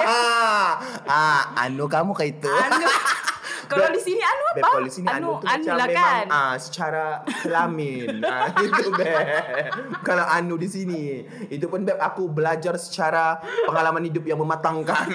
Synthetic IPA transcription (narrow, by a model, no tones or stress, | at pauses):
a | aa̰nukamukait̪u | kaaladisinianuabɛaadisinianut̪ut͡ʃaemaŋəsə̥t͡ʃaɾasəlamɪnit̪ubɛɛ | kalawʔanudisini | it̪̬upʊnbɛpakubəlad͡ʒarsə̥t͡ʃaɾaəŋalamanhidʊp̚jaŋməmat̪aŋkan